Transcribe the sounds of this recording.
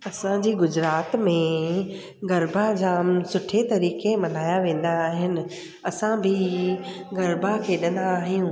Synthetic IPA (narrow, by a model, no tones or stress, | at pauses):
ɐsãd͡ʑiːɡʊd͡ʑɾaːt̪mẽ | ɡɐɾbʱad͡ʑaːmsʊʈʰet̪ɐɾiːkemɐn̤aːjaʋẽːn̆d̪aːɦɪnɪ̆ | ɐsãbʱɪ | ɡɐɾbʱakʰeːɗɐ̃nd̪aːɦijũː